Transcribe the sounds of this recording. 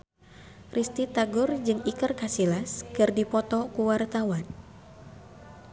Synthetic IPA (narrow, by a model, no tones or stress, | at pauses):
rʔist̪it̪aɡʊrd͡ʒɨŋikɨrkasilaskɨrdipɔt̪ɔkuwart̪awan